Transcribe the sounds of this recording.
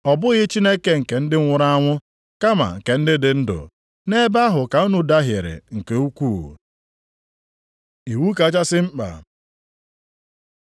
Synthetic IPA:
ɔ˨bʊ˦ɣɪ˦t͡ʃi˦ne˦ke˦ŋ̩˨ke˨n̩˦dɪ˦ŋ̩ʷ˦ʊ˦ɾa˦a˦ŋʷʊ˦ | ka˦ma̰˨ŋ̩˨ke˨n̩˦dɪ˦dɪ˨n̩˦dʊ̰˨ | ne˦ba˦ɦʊ˨ka˨˦u˦nu˨da˦ɦje˨ɾɪ̰˨ŋ̩˨ke˨u˦kʷu˦˨ | i˨wu˦ka˨˦t͡ʃa˦sɪ˦ŋ͡m̩˦k͡pa̰˨

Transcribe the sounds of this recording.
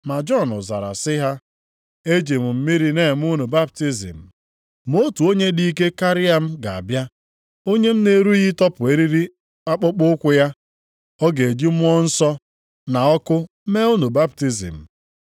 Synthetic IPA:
ma˨d͡ʒɔ˦˨nʊ̰˨za̰˨ɾa̰˨sɪ˦ɦa˦ | e˦d͡ʒi˨m̩˨m̩˦mi˦ɾi˦ne˦˨m˦ʊ˦nu˨ba˦p̚ti˦zḭ˨m̩˨ | m˦o˦tu˨o˦ɲe˦di˦i˦ke˦ka˦ɾɪ˦a˦m̩˦ɡa˨a̰˨bja˦ | o˦ɲe˦m̩˦ne˦ɾu˦ɣi˦tɔ˦pʊ˨e˦ɾi˦ɾi˦ | a˦k͡pʊ˦k͡pʊ˦kʷʊ˦ja˦ | ɔ˦ɡe˨e˨d͡ʒi˦m˦ɔ˦n̩˦sɔ˦ | na˨ɔ˦kʊ˦ | me˦u˦nu˨ba˦pti˦zḭ˨m̩˨

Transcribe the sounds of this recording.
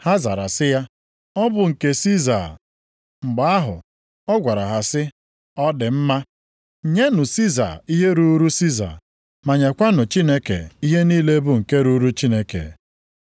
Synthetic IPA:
ha˦za̰˨ɾa̰˨sɪ˦ja˦ | ɔ˦bʊ˨ŋ̩˨ke˦si˦za̰˨ | ŋ͡m̩˨ɡ͡ba˨a˦ɦʊ̰˨ | ɔ˦ɡʷa˨ɾa˨ɦa˨sɪ˦ | ɔ˦dɪ˨m̩˦ma˦˨ | ɲe˦nʊ˨si˦za̰˨i˦ɦe˦ɾu˦ɾu˦si˦za̰˨ | ma˨ɲe˨kʷa˦nʊ˨t͡ʃi˦ne˦kḛ˨i˦ɦe˦niː˦le˦bʊ˦ŋ̩˨ke˦ɾu˦ɾu˦t͡ʃi˦ne˦kḛ˨

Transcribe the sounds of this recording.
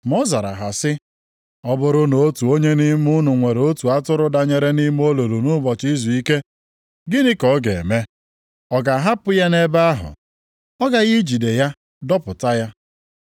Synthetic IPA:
mɔ˦za˨ɾa̰˨ɦa˨sɪ˦ | ɔ˦bʊ˦ɾʊ˦no˦tu˨o˦ɲe˦ni˦mu˦nʊ˨ŋʷe˨ɾo˦tu˨a˦tʊ˦ɾʊ˦da˨ɲe˨ɾe˦ni˦m˦o˦lo˨lu˨nʊ˦bɔ˨t͡ʃi˦zu˨i˦ke˦ | ɡɪ˦nɪ˦kɔ˦ɡe˨me˦ | ɔ˦ɡa˨ɦa˦pʊ˦ja˦ne˦ba˦ɦʊ̰˨ | ɔ˦ɡa˨ɣi˦d͡ʒi˨de˨ja˦ | dɔ˦pʊ˨ta˦ja˦

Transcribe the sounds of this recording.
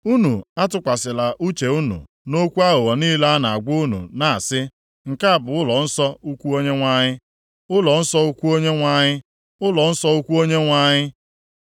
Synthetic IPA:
u˦nu˨a˦tʊ˨kʷa˨sɪ˨la˨ʔu˦t͡ʃe˨u˦nṵ˨ | no˦kʷu˦a˦ɦʊ˨ɣɔ˨niː˦la˦na˨a˨ɡʷʊ˦nṵ˨na˨a˨sɪ˦ | ŋ̩˨ka˦a˨bʊ˨ʊ˦lɔ˨n̩˦sɔ˦u˦kʷu˦o˦ɲe˦ŋʷa˦˨ɲɪ˦ | ʊ˦lɔ˨n̩˦sɔ˦u˦kʷu˦o˦ɲe˦ŋʷa˨ɲɪ˦ | ʊ˦lɔ˨n̩˦sɔ˦u˦kʷu˦o˦ɲe˦ŋʷa˨ɲɪ˦

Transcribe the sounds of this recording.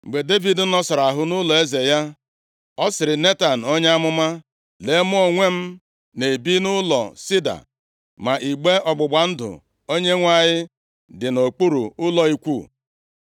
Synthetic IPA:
ŋ͡m̩˨ɡ͡be˨de˦vi˨d̩˨˦nɔ˦sɔ˨ɾa˨ɦʊ˦nʊ˦lɔ˨e˦ze˨ja˦ | ɔ˦sɪ˨ɾɪ˨ne˦ta˨n̩˨o˦ɲe˦a˦mʊ˦ma˦ | le˨˦mʊ˦o˨ŋʷe˦m̩˦ | ne˨bi˦nʊ˦lɔ̰˨si˦da̰˨ | ma˨ʔi˨ɡ͡be˦ɔ˨ɡ͡bʊ˨ɡ͡ba˨n̩˦dʊ̰˨ | o˦ɲe˦ŋʷa˨ɲɪ˦ | dɪ˨no˨k͡pu˦ɾṵ˨ʊ˦lɔ˨i˦kʷu˦˨

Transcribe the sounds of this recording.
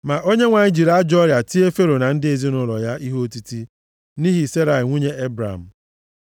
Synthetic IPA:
ma˨ʔo˦ɲe˦ŋʷa˨ɲɪ˦d͡ʒi˨ɾa˦d͡ʒɔ˦ɾja˨ti˦e˦fe˦ɾo˨na˨n̩˦dɪ˦e˨zi˦nʊ˦ɾɔ˨ja˦ʔi˦ɦo˦ti˦ti˦ | ni˦ɦi˨se˦ɾa˨ɪ˨ŋʷu˦ɲe˦e˦bɾa̰˨m̩˨

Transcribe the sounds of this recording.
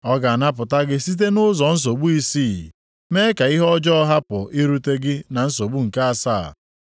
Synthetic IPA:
ɔ˦ɡa˨a˨na˦p̬ʊ˨ta˦ɡɪ˦si˦t̬e˦nʊ˦zɔ˨n̩˦s̬o˨ɡ͡bu˦i˦siː˦˨ | me˦ka˨i˦ɦɔ˦d͡ʒɔ˦ɦa˦pʊ˨ʔi˦ɾu˦te˦ɡɪ˦na˨n̩˦so˨ɡ͡bu˦ŋ̩˨ka˦a˨sa̰˦˨

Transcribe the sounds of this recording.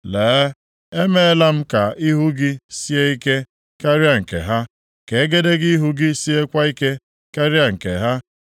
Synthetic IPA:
leː˨˦ | e˦me˦e˦la˦m̩˦ka˨i˦ɦu˦ɡɪ˦si˦e˦i˦ke˦ | ka˦ɾi˦a˦˨ŋ̩˨kḛ˨ɦa˦ | ke˨e˦ɡe˦de˦ɡɪ˦ɦu˦ɡɪ˦si˦e˦kʷa˦i˦ke˦ | ka˦ɾi˦a˨ŋ̩˨kḛ˨ɦa˦

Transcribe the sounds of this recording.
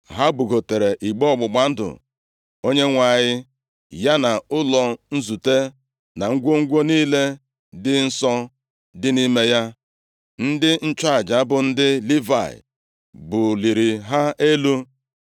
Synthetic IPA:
ɦa˦bʊ˨ɡo˨te˨ɾe˨ʔi˨ɡ͡bɔ˦ɔ˦˨ɡ͡bʊ˨ɡ͡ba˨n̩˦dʊ̰˨ | o˦ɲe˦ŋʷa˨ɲɪ˦ | ja˦na˨ʊ˦lɔ˨n̩˦zu˨te˦ | na˨ŋ̩˦ɡʷo˦ŋ̩˦ɡʷo˦niː˦le˦ | dɪ˦n̩˦sɔ˦ | dɪ˦ni˦me˦ja˦ | n̩˦dɪ˦n̩˦t͡ʃa˦˨d͡ʒa˨˦bʊ˨n̩˦dɪ˦li˦va̰˨ɪ̰˨ | bʊ˨li˨ɾi˨ɦa˦ʔe˦lu˦

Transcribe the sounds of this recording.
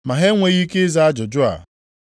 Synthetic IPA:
ma˨ɦe˦ŋʷe˨ɣi˦ke˦za˦a˦d͡ʒʊ˨d͡ʒʊ˦a̰˨

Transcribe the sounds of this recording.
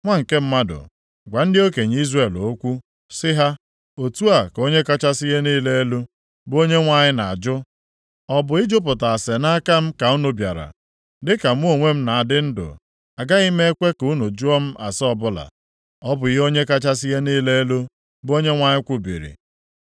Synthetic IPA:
ŋʷa˦ŋ̩˨ke˦m̩˦ma˦dʊ̰˨ | ɡʷa˨n̩˦dɪ˦o˦ke˨ɲ˨i˦zre˦˨lo˨˦kʷu˦ | sɪ˦ɦa˦ | o˨tu˦a˨ko˦ɲe˦ka˦t͡ʃa˦sɪ˦ɣe˦niː˦le˦e˦lu˦ | bo˦ɲe˦ŋʷa˦˨ɲɪ˦na˨a˨d͡ʒʊ˦ | ɔ˦bʊ˨i˦d͡ʒo˦p̬ʊ˨ta˨a˨se˨na˦ka˦m̩˦ka˨u˦nʊ˨bja̰˨ɾa̰˨ | dɪ˦ka˨m̩˦o˦˨ŋʷe˦m̩˦na˨a˨dɪ˦n̩˦dʊ̰˨ | a˨ɡa˦i˦me˦e˦kʷe˦ku˦nu˨d͡ʒu˦ɔ˦m̩˦ʔa˨sɔ˦bʊ˦la̰˨ | ɔ˦bʊ˨jo˦ɲe˦ka˦t͡ʃa˦s̬ɪ˦ɦe˦niː˦le˦e˦lo˦ | bʊ˦o˦ɲe˦ŋʷa˦ɲɪ˦kʷʊ˦bḭ˨ɾḭ˨

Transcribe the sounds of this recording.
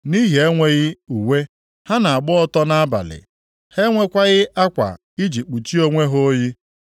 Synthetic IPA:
ni˦ɦe˨e˦ŋʷe˦ɣɪ˦u˨we˦ | ha˦na˨a˨ɡ͡bʊ˦ɔ˦tɔ˦na˦a˦ba̰˨lɪ̰˨ | he˦ŋʷe˦kʷa˦ɣɪ˦ʔa˦kʷa̰˨ | i˦d͡ʒi˨k͡pu˨t͡ʃi˦o˦ŋʷe˦ɦo˦ji˦

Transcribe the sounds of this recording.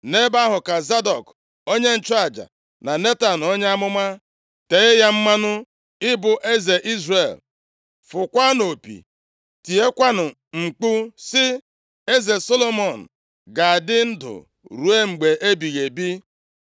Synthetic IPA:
ne˦ba˦ɦʊ˨ka˨za˦dɔ˨k | o˦ɲe˦n̩˨t͡ʃa˦˨d͡ʒa̰˨ | na˨ne˦ta˨n˨o˦ɲe˦a˦mʊ˦ma˦ | te˨ɣɪ˦ja˦m̩˦ma˦nʊ˦ | ɪ˦bʊ˨ʔe˦ze˨ʔi˦zre˨l | fʊ˨kʷa˦no˨pḭ˨ | ti˨e˦kʷa˦nʊ˨ | ŋ͡m̩˨k͡pu˦sɪ˦ | e˦ze˨so˦lo˦mɔ˨n̩˨ | ɡa˨a˨dɪ˦n̩˦dʊ̰˨ | ɾu˨e˦ŋ͡m̩˨ɡ͡be˨ʔe˦bi˨ɣe˨bi˦

